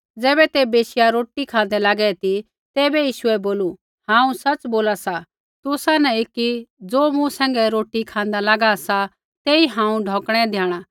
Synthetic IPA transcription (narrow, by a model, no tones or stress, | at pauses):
d͡zɛːbɛt̪ebeːʃɪjaɾoːʈikʰãːn̆d̪ɛlaːɡɛt̪i | t̪ɛːbɛjiːʃʊɛboːlu | hãːũsɐt͡sboːlasa | t̪ʊsanɛekid͡zoːmũsɛ̃ːŋɡɛɾoːʈikʰãːnd̪alaːɡasa | t̪eːiɦãːũɖʱɔ̃ːkɽ̃ɛd̪ʱjaːɽ̃a